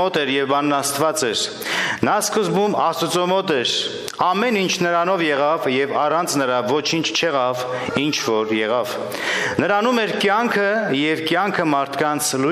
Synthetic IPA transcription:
ɔt̪ɛɾjɛvbɑnːɑst̪vɑt͡sɛɾ | nɑskəzbumɑst̪ut͡sɔmɔt̪ɛɾ | ɑmɛnint͡ʃʰnəɾɑnɔvjɛʁɑvjɛvɑrɑnt͡sʰnəɾɑvɔt͡ʃʰint͡ʃʰt͡ʃʰɛʁɑv | int͡ʃʰvɔɾjɛʁɑv | nəɾɑnumɛɾkjɑŋkʰəjɛvkjɑŋkʰəmɑɾt̪ʰkɑnt͡sʰlu

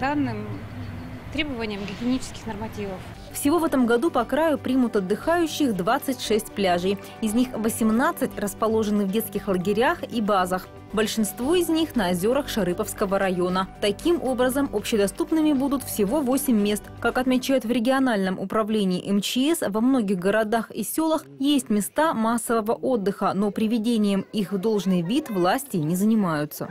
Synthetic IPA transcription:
d̪anːɨm | t̪ɾʲebəvənʲɪjəmɡʲɪɡʲenʲit͡ɕɪ̥skʲɪ̥xnərmɐtʲivəf | fsʲɪvo̞vɛt̪əmɡɐd̪upɐkɾajʊpɾʲimʊt̪ɐd̪ːɨxajʉɕːɪxd̪vat̪sɨtʲʂɛsʲtʲplʲaʐɨj | ɪzʲnʲixvəsʲɪmnat̪sɨtʲrəspɐlˠo̞ʐɨnɨvdʲe̞t̪skʲɪxlˠəɡʲɪɾʲaxibazəx | bəlʲʂɨnst̪vo̞ɪzʲnʲixnəɐzʲo̞ɾəxʂɐɾɨpəfskəvəɾɐjo̞nət̪ɐkʲimʔo̞bɾəzəmopɕːɪd̪ɐst̪upnɨmʲɪbud̪ʊt̪fsʲɪvo̞vo̞sʲɪmʲːe̞st̪kakɐt̪mʲɪt͡ɕæjʊt̪vɾʲɪɡʲɪɐnalʲnəmʔʊpɾɐvlʲenʲɪːʔɛmt͡ɕɪɛsvɐmno̞ɡʲɪxɡəɾɐd̪axisʲo̞lˠəxjesʲtʲmʲɪst̪amasːəvəvəʔo̞d̪ːɨxəno̞pɾʲɪvʲɪdʲenʲɪjəmixvd̪o̞lˠʐnɨjvʲit̪vlˠasʲtʲɪnʲɪzənʲɪmajʊt̪sə̰

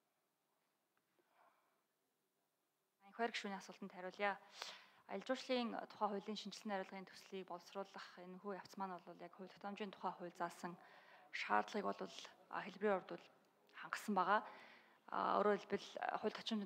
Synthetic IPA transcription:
aŋxɔːrkʃuːniːŋasʊːɬt̪ənt̪ʰæɾʲʊːɮjaː | a̰jəɮt͡ɕʊːʃɮiːŋt̪ʰʊ̥χæːχʊ̟ɮiːŋʃint͡ɕɪ̆ɮɘ̆næɾʲʊːɮʁiːnt̪ʰu̥sɮiːk̚pɔwsrʊːɮə̆χenxuːjaw̥t͡smaːnɔɮɞ̆ɮjakχʊ̟wʲt̪ɔ̥t̪ʰɔmt͡ɕiːnt̪ʰʊ̥χæːχʊ̟ːɮt͡saːsə̆ŋʃaːrt̪ɮʁiːkpɔɮwə̆ɮxeɮpriːʊrt̪ʊ̆ɮ | χaɴɢə̆sə̆mpæːʁa̰ː | o̰ːɾoːɮpɘ̆ɮχʊ̟ɮt̪ʰɔ̥t͡ɕɪ̆m

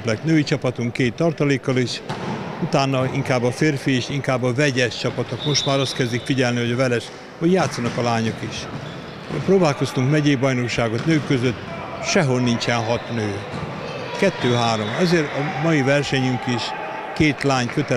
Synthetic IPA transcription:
plɛknøːit͡ʃɒpɒt̪uŋkeːt̪ːɒrt̪ɒleːkːɒliʃut̪aːnːɒḭŋkaːbːɒfeːrfieːʃiŋkaːbːɒvɛɟɛʃt͡ʃɒpɒt̪okmo̞ʃt̪maːɾɒst̪kɛzd̪ikfiɟɛlniɦo̞ɟɒvɛlɛʃ | hoɟjaːt̪sːɒnɒkɒlaːɲokiʃ | pɾoːbaːlko̞st̪uŋkmɛɟeːbɒjnokʃaːɡo̞t̪nøːkːøzøt̪ː | ʃɛɦo̞lnint͡ʃɛnɦɒt̪nøː | kɛt̪ːøːɦaːɾo̞mɛzeːɾɒmɒjivɛrʃɛɲyŋkiʃ | keːt̪laːɲkøt̪ɛ

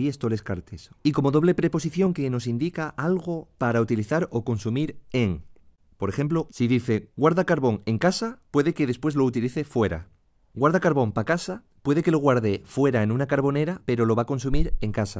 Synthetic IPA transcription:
iest̪o̞le̞skaɾt̪esiko̞mo̞ðo̞β̞le̞pɾe̞po̞s̬iθjo̞ŋke̞no̞sind̪ikaʔalɣo̞paɾaut̪iliθaɾo̞ko̞nsumiɾeŋ | po̞ɾe̞xe̞mplo̞siðiθe̞ɡwaɾðakaɾβo̞ŋe̞ŋkasapwe̞ðe̞ke̞ðe̞spwe̞zlo̞ut̪iliθe̞fwe̞ɾa̰ | ɡwaɾðakaɾβo̞mpakasa | pwe̞ð̞e̞ke̞lo̞ɣ̞waɾðe̞fwe̞ɾae̞nũnakaɾβo̞ne̞ɾape̞ɾo̞lo̞βako̞ns̬umiɾe̞ŋkasa

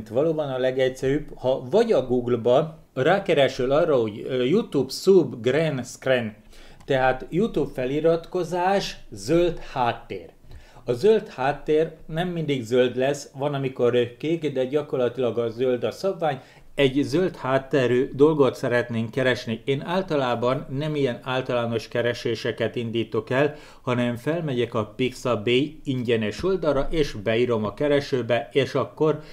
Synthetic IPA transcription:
nt̪ʋɒloːbɒnɒlɛɡɛcsɛɾybhɒvɒɟɒɡuːɡlbɒ | raːkɛɾɛʃylɒrːɒɦo̞ɟjut̪uːbsubɡrenskren | t̪ɛɦaːt̪jut̪ubfɛliɾɒt̪ko̞zaːʃzølt̪haːt̪ːḛːr | ɒzølt̪haːt̪ːeːrnɛmːind̪iɡzøld̪lɛsʋɒnɒmiko̞røkːeːɡd̪ɛɟɒko̞rlɒt̪ilɒɡɒzøld̪ɒsɒbvaːɲ | ɛɟzølt̪haːt̪ːɛɾyːd̪o̞lɡo̞t̪sɛɾɛt̪neːŋkːɛɾɛʃnieːnaːlt̪ɒlaːbɒnːɛmijɛnaːlt̪ɒlaːno̞ʃkɛɾɛʃeːʃɛkɛt̪ind̪iːt̪o̞kɛl | hɒnɛɱfɛlmɛɟɛkɒpiksɒbeːjiɲɟɛnɛʃold̪ɒɾɒʔeːʃbɛiɾo̞mɒkɛɾɛʃøːbɛeːʃɒkːo̞r

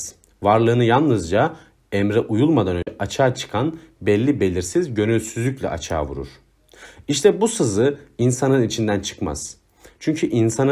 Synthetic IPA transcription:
vaɾlˠɯːnɯjalˠnɯzd͡ʒa | ɛmɾɛʔujulˠmad̪anøɛʔat͡ʃʰaːt͡ʃʰɯ̥kʰanbɛlʲːibe̞lʲiɾsizɟø̞nylʲsyzlʲycʲlʲɛ̰ʔa̰t͡ʃʰa̰ːvṵɾṵɾ̥ | iʃt̪ʰɛbusɯzɯinsanɯnit͡ʃʰind̪ænt͡ʃʰɯ̥kma̰z̥ | t͡ʃʰyɲcʰyʔinsan

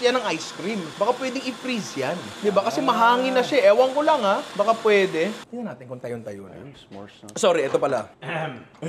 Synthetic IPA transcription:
jɐnɐŋajskɾimbɐkapwɛːd̪ɪŋɪfɾizjand̪ɪbakɐsɛmɐɦaːŋɪnːɐʃaʔɛːwɐŋkolɐŋabɐkapwɛːd̪ɛd̥̪ɪnɐnaːt̪ɪnkʊŋt̪ɐjont̪ɐjon | soːɾiʔɛːt̪opɐla

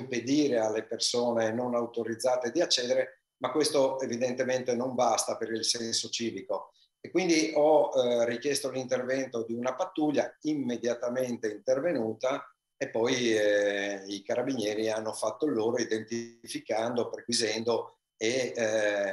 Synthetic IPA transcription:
mped̪iːɾealːepersoːnenonawt̪oɾid̪zːaːt̪ed̪iat͡ʃːɛːd̪eɾe | makːwest̪oevid̪ent̪ement̪enoɱbast̪apeɾilsɛnsot͡ʃiːviko | ekːwind̪iʔɔrik̟jɛst̪olint̪ervɛnt̪od̪iunapat̪ːuʎːaimːed̪jat̪ament̪eint̪ervenuːt̪a | epːɔj | ikaɾabinjɛːɾianːofat̪ːoloːɾoid̪ent̪ifikand̪opɾeɡwizɛnd̪o | e

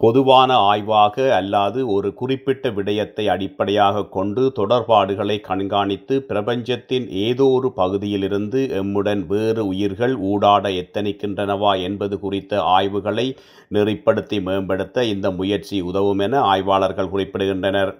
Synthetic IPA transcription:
pɔðɯʋaːnɐaːjʋaːɣɐːlːaːðɯɔɾɯkʊrɪpːɪʈːɐʋɪɽɐjɐt̪ːɐɪɐɽɪpːɐɽɐjaːɣɐkːɔɳɖɯt̪ɔɽɐɾpaːɽɯɣɐɭɐɪkːɐɳɡaːɳɪt̪ːɯpɪɾɐbɐɲd͡ʒɐt̪ːɪnʔeːðoːrɯpɐɣɯðɪjɪlɪɾɯnd̪ɯʔɛmːɯɽɐnʋeːrɯʊjɪɾɣɐɭuːɽaːɽɐɛt̪ːɐnɪkːɪndrɐnɐʋaːɛnbɐðɯkʊrɪt̪ːɐʔaːjʋɯɣɐɭɐɪ | nɪrɪpːɐɽɯt̪ːimeːmbɐɽɯt̪ːɐɪnd̪ɐmʊjɐɾt͡ʃiʊðɐʋɯmɛnɐaːjʋaːɭɐɾɣɐɭkʊrɪpːɪɽɯɣɪndrɐnɐɾ

